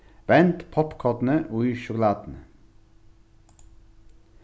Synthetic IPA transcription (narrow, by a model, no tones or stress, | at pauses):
ʋɛnt̪pʰɑpkʰɑt̪n̩əʔoːyːʃʊkʊlɑːd̪n̩ə